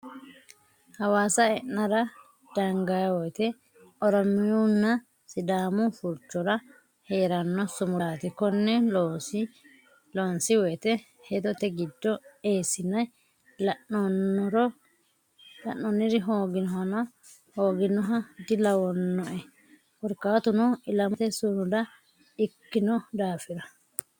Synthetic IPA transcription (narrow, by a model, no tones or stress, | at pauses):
hɐwaːsɐɛnːɐɾɐ | d̪̥ɐŋɡajwɔjt̪ɛ | ɔɾɔmɪjunːɐ | sɪd̪aːmʊfʊɾt͡ʃːɔɾɐ | he̞ːɾɐnːɔsʊmʊɾaːt̪ɪkɔnːɛlos | lɔnsɪwɔjt̪ɛ | hɛd̪ɔt̪ɛɡɪd̪ːɔeːsɪnɐj | lɐʔɔnːɔɾɔ | lɐʔːɔnːɪɾɪɦoːɡɪnɔɦɐnɐ | hoːɡɪnɔɦɐd̪ɪlɐwɔnːɔʔɛ | wɔɾkːaːt̪ʊnɔɪlɐmt̪ɛsʊɾʊd̪ɐ | ɪkːɪnɔd̪aːfɪɾɐ